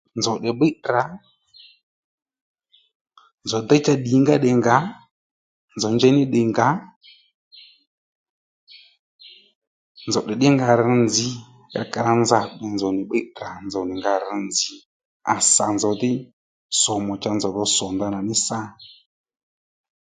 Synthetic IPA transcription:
nzɔ˨ɗɛ˨ɓɪ˦ɾa˨˦ | nd͡zɔ˨d̪ɛ˦t͡ʃa˦ɗi˨˦ŋɡa˦ɗɛ˨ŋɡa˨˦ | nzɔ˨ɲd͡ʒɛ˦nɪ˦ɗɪ˨ŋɡa˨˦ | nd͡zɔ˨ɗɛ˨ɗɪ˦ŋɡa˨ɾɪ˧nd͡zɪ˧ | ja̰˧ka˧ɾa˧nza˨ɓɛ˨nd͡zɔ˨nɪ˨ɓe˦ra˨nd͡zɔ˨nɪ˨ŋɡa˧ɾɪ˧nd͡zɪ˨ | a˨sa̰˨nzɔ˨dɪ˦ | sɔ˨mɔ˨t͡ʃa˧nzɔ˨ðɔ˧sɔ˨nda˧na˨nɪ˦sa˦

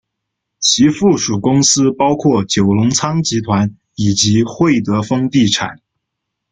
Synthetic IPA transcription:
t͡ɕʰi˧˥fu˥˩ʂu˨˩kʊ˥ŋsɹ̩˥pɑ˥ʊkʰwɔ˥˩t͡ɕjo˨˩ʊlʊ˧˥ŋt͡sʰɑ˥ŋt͡ɕi˧˥t̪ʰwa˧˥n | i˨˩t͡ɕi˧˥xwe˥˩ɪt̪ɤ˧˥fɤ˥ŋt̪i˥˩ʈ͡ʂʰa̰˨˩˦n

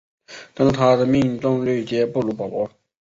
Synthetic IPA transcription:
t̪ɑ˥n˥˩t̪ʰa˥d̪ə˨mi˥˧ŋt̪ʊ˥˧ŋly˥˩ɪt͡ɕjɛ˥pu˥˩lu˧˥pɑ˨˩pwɔ˧˥

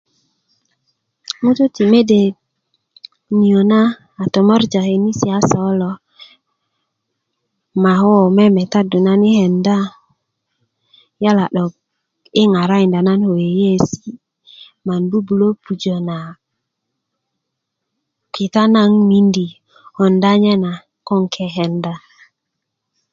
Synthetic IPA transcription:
mu˦tu˦ti˨me˦de˨ | ni˨o˨na˦ | a˨to˨mɔ˦ɾd͡ʒa˨he˨ni˦si˨a˦sɔ˨˦lɔ˨ | ma˨ɦo˦˨me˦me˨ta˦du˨na˦ni˦he˨nda˦ | ja˦la˨ɗo˨k | i˦ŋa˨ɾa˦i˨nda˨na˦nho˨je˨je˦si̥˦ | ma˨nbu˦bu˨lo˦pu˨d͡ʒo˨na˨ | ki˨t̪a˦na˦ŋmi˦ndi˨ | ho˨nda˦ɲe˦na˨ | ko˦ŋkʰe˨ɦe˨nda˨

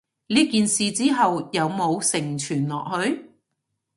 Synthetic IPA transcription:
li˥kiː˨nsiː˨t͡siː˥ɦɐ˨wjɐ˨˧wmo˨˧wsɪ˨˩ŋt͡ʃʰyː˨˩nlɔ̰ː˨k̚hɵ˨˧ɥ

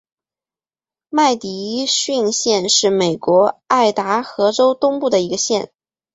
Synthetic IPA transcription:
ma˥˩ɪt̪i˧˥ɕy˥˧nɕjɛ˥˧nʂɻ̩˥˩me˨˩ɪkwɔ˧˥a˥˩ɪt̪a˧˥xɤ˧˥ʈ͡ʂo˥ʊt̪ʊ˥ŋpu˥˩d̪ə˩i˧˥ɡə˧ɕjɛ˥˩n

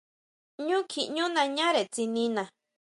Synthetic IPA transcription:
ɲũː˦kʰi˨ɲũ˦nã˧ɲã˦ɾe˨t͡si˧nĩ˧nã˨

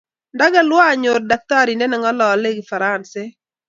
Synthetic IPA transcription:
nda˦ɡa˦lwɔ˦a˨ɲo˨rda˨k̚t̪a˦ɾi˨ndɛ˦nɛ˨ŋɔ˦lɔ˨le˦ɡɪ˨fa˨ɾa˦˨nse˦

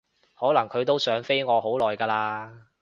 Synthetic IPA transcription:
hɔː˨˥lɐ˨˩ŋkʰɵ˨˧ɥt̪o˥wsœː˨˥ŋfe˥jŋɔː˨˧ho˨˥wlɔː˨jkaː˧laː˧

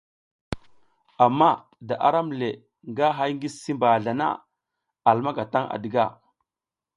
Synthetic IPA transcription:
a˨mːa˦ | da˨ʔa̰˨ɾa˦mle˨ | ŋɡa˦ɦa˦jŋɡi˦si˦mba˨ɮa˨na̰˦ | a˨lma˦ɡa˨ta˦ŋa̰˨di˨ɡa˦˨

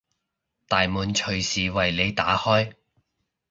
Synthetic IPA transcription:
t̪aː˨jmuː˨˧nt͡ʃʰɵ˨˩ɥsiː˨wɐ˨jle˨˧jt̪a̰ː˨˥hɔː˥j

